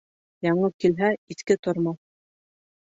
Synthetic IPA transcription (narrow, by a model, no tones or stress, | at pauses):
jɑɴɤkilɦæiθkɘt̪ŏɾmɑ